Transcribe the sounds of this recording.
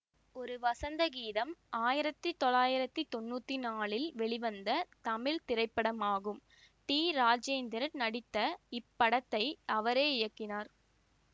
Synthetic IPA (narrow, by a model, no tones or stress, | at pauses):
ɔɾɯʋɐsɐnd̪ɐɡiːðɐmaːjɪɾɐt̪ːɯt̪ɔlaːjɪɾɐt̪ːɯt̪ɔnːuːt̪ːinaːɭɪlʋɛɭɪʋɐnd̪ɐt̪ɐmɪɻt̪ɪɾɐɪpːɐɽɐmaːɣɯm | ʈ̪iːɾaːd͡ʒeːnd̪ɐɾɐɾnɐɽɪt̪ːɐɪpːɐɽɐt̪ːɐɪɐʋɐɾeːɪjɐkːɪnaːɾ